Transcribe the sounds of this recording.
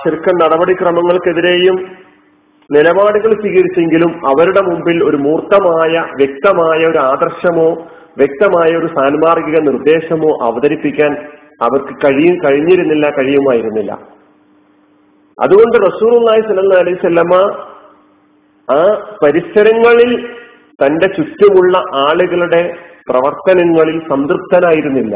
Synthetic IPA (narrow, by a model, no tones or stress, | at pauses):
ɕɐrkːɐnnɐɽɐbɐɽikrɐmɐŋːɐɭke̞ðiɾe̞ːjum | nilɐbaːɽuɣɐɭsʋiːɣɐɾit͡ɕːe̞ŋɡilumɐʋɐɾuɽe̞mumbilo̞ɾumuːrt̪ːɐmaːjɐʋjek̚t̪ɐmaːjɐoɾuaːd̪ɐrɕɐmo̞ː | ʋjek̚t̪ɐmaːjɐo̞ɾusaːnmaːrɡiɣɐnird̪e̞ːɕɐmo̞ːʔɐ̰ʋɐðɐɾipːikʲːaːn | ɐʋɐrkɨkɐɻijumkɐɻiɲːiɾunːilːɐkɐɻijumaːjiɾunːilːɐ̰ | ɐ̰ðuɣo̞ɳɖɨrɐsuːlulˠːaːhisɐlːɐlˠːaːɐlɐjʋusɐlːɐma | aːpɐɾiɕɐɾɐŋːɐɭil | t̪ɐnde̞t͡ɕut̪ːjɐmuɭːɐʔaːɭuɣɐɭuɽe̞prɐʋɐrt̪ɐnɐŋːɐɭilsɐmd̪rɨp̚t̪ɐnaːjiɾunːilːɐ̰